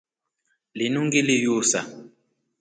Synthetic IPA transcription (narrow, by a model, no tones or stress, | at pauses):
linuŋɡilijusa̰